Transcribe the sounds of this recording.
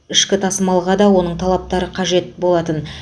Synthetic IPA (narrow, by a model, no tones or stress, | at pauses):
ɪʃkʲɪt̪ʰɑsəmɑlˠʁɑd̪ɑwo̞nəɴt̪ʰɑlˠɑp̚t̪ɑɾəqʰɑʒe̞t̪bo̞lˠɑt̪ən